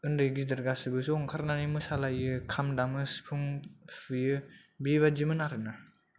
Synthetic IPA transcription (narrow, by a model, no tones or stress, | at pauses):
ɯndɯɡidɯɾɡasɯbɯsɔŋkʰaɾnanimɯsalajɯkʰamdamɯspʰuŋfɯjɯ | biβad͡ʒimɯnaɾɯna